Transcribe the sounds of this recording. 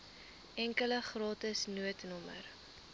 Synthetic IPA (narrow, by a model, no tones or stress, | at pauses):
ʔɛŋkələχrɑːtəsnuətnɔmə̰r